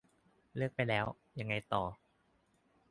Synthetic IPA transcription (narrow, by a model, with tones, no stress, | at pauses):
lɯ˥˩ək̚pa˧jlɛː˦˥w | ja˧ŋːa˧jt̪ɔː˨˩